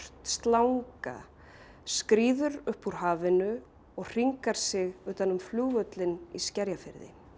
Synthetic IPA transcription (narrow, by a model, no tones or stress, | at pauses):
t̪st̪lawŋka̰ | skɾiːðʏɾʏhpuɾ̥ɦaːvɪnʏ | ɔɣr̥iŋkaɾ̥sɪɣʏːt̪anʏmfluːvœt̪lɪniscɛɾjafɪɾðɪ̰